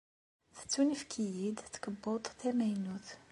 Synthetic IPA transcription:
θə̥t͡sːunifkʰijid̪t̪kəbːot̪ˤt̪ʰæmæjnut̪

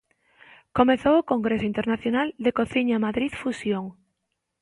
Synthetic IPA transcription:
komeθowokoŋɡɾesoint̪eɾnaθjonald̪ekoθiɲamaðɾiðfusjoŋ

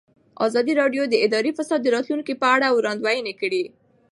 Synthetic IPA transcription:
ɑ̰zɑd̪iɾɑɖjod̪əɪd̪ɑɾifasɑd̪ːəɾɑt̪luŋkipəaɽawɾɑnd̪wajənekəɽi

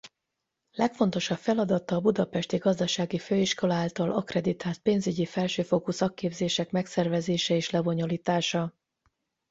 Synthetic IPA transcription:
lɛkfo̞n̪t̪o̞ʃɒpfɛlɒd̪ɒt̪ːɒːbud̪ɒpɛʃt̪iɡɒzd̪ɒʃaːɡiføːiʃko̞lɒaːlt̪ɒlʔɒkrɛd̪it̪aːlt̪̚peːnzyɟifɛlʃøːfoːkusɒkːeːbzeːʃɛkmɛksɛrvɛzeːʃɛeːʃlɛbo̞ɲo̞liːt̪aːʃɒ

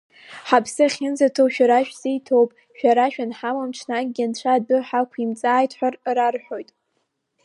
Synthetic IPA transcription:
ħapʰsɨχʲɪnzatʰowʃᶣaɾaʃᶣzejtʰowpʼ | ʃᶣaɾaʃᶣanħamamʈ͡ʂʰnak̚ʼɡʲant͡ɕʷʰadɨħakʷʰimt͡sʼaːjtʰħʷarrarħo̞jtʼ

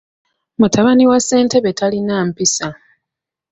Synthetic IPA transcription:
mutʰaβaniwase̞ːnte̞βe̞tʰalinaːmpisa

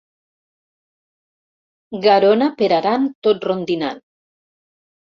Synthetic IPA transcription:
ɡaɾonapeɾaɾant̪ot̪rond̪ina̰n

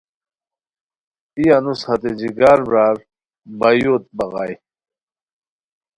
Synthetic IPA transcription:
ijɐnushɐt̪ed͡ʑiɡaːɾbɾaːɾ | bɐjot̪̚bɐɣaːj

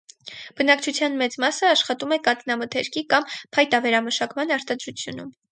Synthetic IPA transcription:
b̥ənɑkt͡ʃʰut͡sʰjɑnmɛt͡smɑsəɑʃχɑt̪umɛkɑt̪nɑmət̪ʰɛɾkikɑmpʰɑjt̪ɑvɛɾɑməʃɑkmɑnɑɾt̪ɑd̪ɾut͡sʰjunum

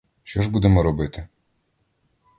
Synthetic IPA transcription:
ʃt͡ʃɔʐbud̪ɛmɔɾɔbɪt̪ɪ

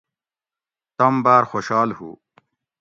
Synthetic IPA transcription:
t̪ɐmbaːɾxoːɕaːlhṵː

